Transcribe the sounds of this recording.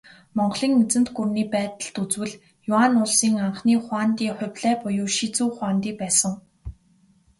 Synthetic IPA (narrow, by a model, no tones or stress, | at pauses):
mɔɴɢɮiːŋmet͡sɘ̆nt̪ɡurniːpæːt̪ə̆ɬt̪ut͡swɘ̆ɮ | jʊanʊɮsiːŋaɴχniːχwaːnt̪iːχʊ̟wʲɮæːpʊjʊːʃit͡suːχwaːnt̪iːkpæːsə̆ŋ